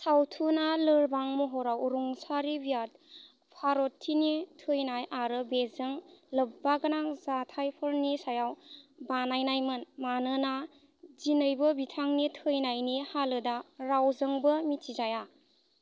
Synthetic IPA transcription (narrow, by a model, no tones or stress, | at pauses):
sawtʰunalɯɾbaŋmɔɦɔɾawɾuŋsaɾibijat̚ | pʰaɾotʰːinitʰɯjnajʔaɾɯbezɯŋlɐbːaɡɯnazatʰajpʰɯɾnisajawbanajnajmɯnmanɯna | zinəjbɯbitʰaŋnitʰɯjnajnihalɯdaɾawzəŋbɯmitʰizaja